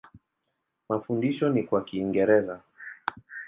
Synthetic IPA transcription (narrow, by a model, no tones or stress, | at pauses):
mafundiʃɔnikwakiːŋɡɛɾɛza